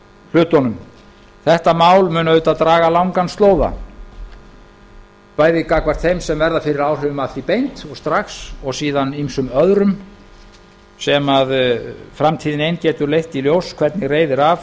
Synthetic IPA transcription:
l̥ʏːt̪ɔnʏm | θɛht̪amaːwlmʏːnavʏːt̪at̪ɾaːɣalawŋkanst̪loːwða̰ | paːjðɪkakvar̥t̪θejmsɛmvɛɾðafɪɾɪɾaːwr̥ʏːvʏmafθipejnt̪ɔɣst̪ɾaxsɔɣsiːðanimsʏmœðɾʏm | sɛmaðfɾamt̪ʰiːðɪnejncɛːt̪ʏɾlejht̪iljowskʰv̥ɛt̪nɪreːjðɪɾav

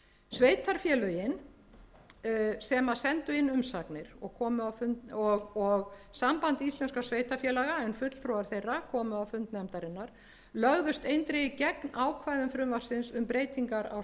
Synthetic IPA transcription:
sveːjt̪ʰaɾ̥fjɛːlœjɪn | sɛmaðsɛnt̪ʏɪnːʏmsaknɪɾ̥ɔɣkʰɔːmʏawfʏnt̪ɔɣɔɣsampant̪ist̪lɛnskasvejt̪aɾfjɛːlaɣaɛnfʏt̪l̥t̪ʰɾowaɾ̥θejrːakʰɔːmʏawfʏnt̪nɛmt̪aɾɪnːaɾ̥ | lœɣðʏst̪ejnt̪ɾɪcɛknaːwkʰvajðʏmfɾʏmvasɪnsʏmpɾeːjt̪iŋkaɾa̰w

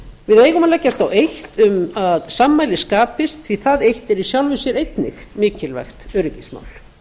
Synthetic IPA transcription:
vɪðeːjɣʏmaðlɛcːast̪awejht̪ʏmaðsaːmːaːjlɪskaːpɪst̪θiθaðejht̪ɛɾisjawlvɪsjɛɾejt̪nɪxmɪːcɪlvɛ̰xt̪œɾɪcɪsma̰wl

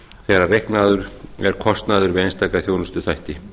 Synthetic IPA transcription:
θɛːɾarejhknaðʏɾɛɾ̥kʰɔst̪naːðʏɾvɪðejnst̪aːkaθjoːwnʏst̪ʏθajht̪ɪ

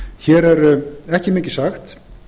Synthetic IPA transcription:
çɛːɾɛɾɛhcɪmɪːcɪ̥saxt̪

